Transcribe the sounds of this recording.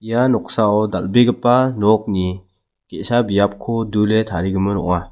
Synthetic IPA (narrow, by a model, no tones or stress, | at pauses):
ijanɔk̚saɔda̰lbeɡəpanɔk̚ni | kesabijap̚kʰɔduletʰaɾiɡɯmɯnɔ̰ŋa